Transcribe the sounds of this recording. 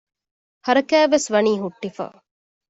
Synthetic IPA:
hɐɾɐkæːʋesʋɐniːɦuʈːifa̰ː

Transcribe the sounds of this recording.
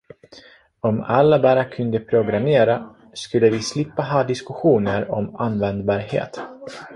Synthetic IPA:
ɔma̰lːabæɾakʰɵnd̪əpʰɾʊɡɾameːɾa | skɵlːəvɪslɪpːaɦɑːd̪ɪskɵɧuːnəɾɔmanːvɛnd̪̚bɑːɾhḛːt̪

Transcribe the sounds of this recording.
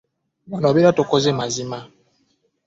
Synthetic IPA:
mɔnɔbiɾatokɔzemazima

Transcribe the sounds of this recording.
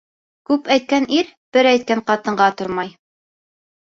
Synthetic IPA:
kʉpæjt̪̚kæniɾb̥ɘɾæjt̪̚kæɴqɑt̪ɤ̆ɴɢɑt̪ŏɾmɑj

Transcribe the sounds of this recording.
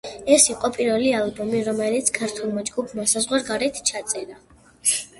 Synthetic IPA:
ɛsiqʼɔpʼiɾvɛlialˠbɔmiɾɔmɛlit̪sʰkʰaɾt̪ʰulˠmad͡ʒɡupʰmasazʁwaɾɡaɾɛt̪ʰt͡ʃʰat̪sʼɛɾa

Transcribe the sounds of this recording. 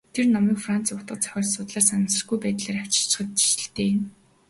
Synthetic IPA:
t̪ʰernɔmiːkfran̥t͡sʊt̪ə̆t͡sœ̥xʲɔːɮsʊt̪ɮaːrsanə̆sə̆rɡujpæːt̪ɮeːɾawʲt͡ɕɪ̥̆ɬt͡ɕɪ̥̆χə̆t̪̚t͡ɕi̥t͡ɕə̆ɬt̪eːm

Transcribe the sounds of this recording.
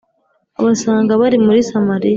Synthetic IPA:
a̰βasaːŋɡaβaɾimuɾisamaɾija

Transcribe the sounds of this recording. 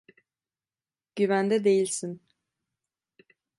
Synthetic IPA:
ɟ̥yvænd̪ɛd̪e̞jilʲsin

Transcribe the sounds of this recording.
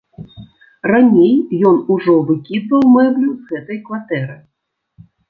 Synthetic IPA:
ranʲejjɔnuʐɔvɨkʲid̪vɐwmɛwlʲuzɣɛt̪ɐjkvat̪ɛɾɨ

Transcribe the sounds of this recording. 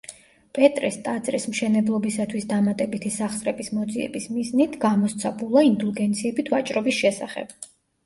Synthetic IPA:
pʼɛt̪ʼɾɛst̪ʼad̪zʼɾḭsmʃɛnɛblˠɔbisat̪ʰwisd̪amat̪ʼɛbit̪ʰisaχsɾɛbismɔd̪ziɛ̰bismiznit̪ʰɡamɔst̪sʰabulˠaind̪ulˠɡɛnt̪sʰiɛbit̪ʰvat͡ʃʼɾɔbisʃɛsa̰χɛ̰b̥

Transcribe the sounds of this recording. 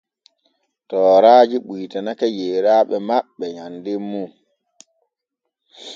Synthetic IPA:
tɔːɾaːd͡ʒiɓujtanakajeːɾaːɓɛmaɓːɛɲandemːu

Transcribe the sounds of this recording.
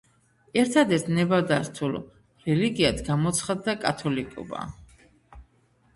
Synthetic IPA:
ɛɾt̪ʰad̪ɛt̪ʰnɛbad̪asst̪ʰul | ɾɛliɡiad̪ʰɡamɔt̪sʰχad̪ːakʼat̪ʰɔlikʼɔ̰ba̰

